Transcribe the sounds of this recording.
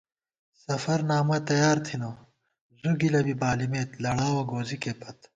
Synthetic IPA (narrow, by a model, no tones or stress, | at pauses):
sɐfɐɾnaːmɐt̪ɐjaːɾt̪ʰino | zuɡilɐbibaːlimeːt̪lɐɽaːwɐɡoːzikeːpɐt̪